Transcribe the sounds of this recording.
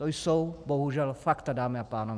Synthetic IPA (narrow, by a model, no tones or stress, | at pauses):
t̪ojsowboɦuʒɛlfakt̪adaːmɪapaːnov